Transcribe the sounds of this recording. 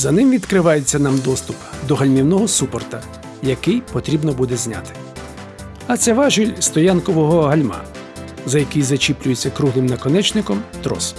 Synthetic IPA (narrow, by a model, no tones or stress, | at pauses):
zɐnɪmʋʲid̪kɾɪʋɑjet͡sʲːɐnɑmd̪ɔst̪ʊpd̪ɔɦɐlʲmʲiwnɔɦɔsupɔrt̪ɐ | jɐkɪjpɔt̪ɾʲibnɔbud̪ɛzʲnʲa̰t̪ɪ̥ | ɐt̪sɛʋɑʒʊlʲst̪ɔjankɔʋɔɦɔɦɐlʲmɑ̰ | zɐjɐkɪjzɐt͡ʃʲiplʲʊjet͡sʲːɐkɾuɦlˠɪmnɐkɔnɛt͡ʃnɪkɔmt̪ɾɔ̰s